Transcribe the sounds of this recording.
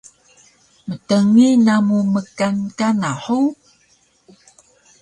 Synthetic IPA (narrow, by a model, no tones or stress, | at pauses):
mətəŋinamuməkankanaħu